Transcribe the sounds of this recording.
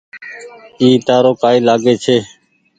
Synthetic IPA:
iːt̪aːɾoːkaːiːlaːɡeːt͡ʃʰeː

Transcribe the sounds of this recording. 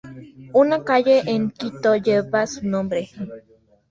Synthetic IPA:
unãkajeʔenkit̪ojeβasunõmbɾehi

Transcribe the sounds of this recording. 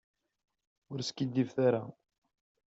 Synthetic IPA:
ʊɾskid̪ːivθaɾa

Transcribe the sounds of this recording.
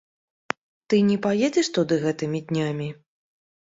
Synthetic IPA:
t̪ɨnʲɛpajɛd͡zʲɛʂt̪ud̪ɨɣɛt̪ɨmʲid̪ʲnʲamʲi

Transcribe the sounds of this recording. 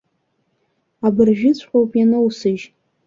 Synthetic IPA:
abɨrʒᶣɪt͡sʷʰʼħʷowpʼjanɨwsɨʒ

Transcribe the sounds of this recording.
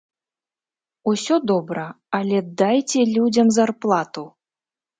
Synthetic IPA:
usʲɔd̪ɔbɾɐ | alʲɛd̪ajt͡sʲɛlʲud͡zʲɐmzarplˠat̪u

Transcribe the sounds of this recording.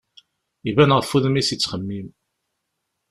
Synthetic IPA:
ivænʁəfuðəmisit͡sːχəmːim

